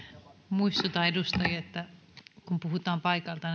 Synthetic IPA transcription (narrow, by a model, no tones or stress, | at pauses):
muist̪ut̪ɑedust̪ɑjɑet̪ːæ | kumpuhut̪ɑːmpɑikɑlt̪ɑn